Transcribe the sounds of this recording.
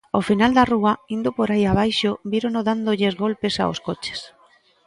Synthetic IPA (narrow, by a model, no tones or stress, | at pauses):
ofinald̪aruaind̪opoɾajaβ̞ajʃoβiɾonoðand̪oʎezɣolpesa̰o̰skot͡ʃe̥s